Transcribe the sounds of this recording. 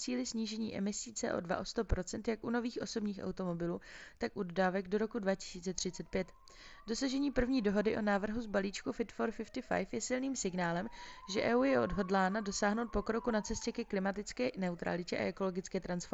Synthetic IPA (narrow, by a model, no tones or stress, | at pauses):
t͡siːlɪsɲiːʒɛɲḭːʔɛ̰mɪsiːt͡sɛ̰ːʔo̞̰dva̰ʔo̞st̪opɾo̞t͡sɛnt̪jakʔuno̞viːxʔo̞so̞bɲiːxʔa̰wt̪o̞mo̞bɪluːt̪akʔudodaːvɛɡdo̞ɾo̞kudvacɪ̥siːt͡sɛt̪r̝̥ɪtt͡sɛt̪̚pjɛt̪ | do̞saʒɛɲiːpr̩vɲiːdo̞ɦo̞dɪʔo̞naːvr̩ɦuzbaliːt͡ʃkufɪt̪foɾfɪft̪ɪfa̰jfjɛsɪlniːmsɪɡnaːlɛmʒɛʔɛːuːjɛʔo̞dɦo̞dlaːnado̞saːɦno̞wt̪̚po̞kɾo̞kunat͡sɛscɛkɛklɪmat̪ɪt͡skɛːnɛut̪ɾa̰lɪcɛʔa̰ʔɛko̞lo̞ɡɪt͡skɛːt̪ɾansfo